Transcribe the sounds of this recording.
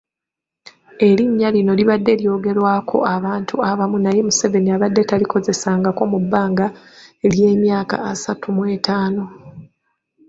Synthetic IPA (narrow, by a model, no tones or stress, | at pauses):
e̞liɲːalino̞liβadːe̞ljo̞ːɡe̞ɾwaːkʰo̞̰aβaːntʰuaβamunaje̞muse̞ve̞niaβadːe̞taliko̞ze̞saːŋɡako̞ːmubːaːŋɡaelje̞ːmjaːka̰ːsatumwe̞ːtaːno̞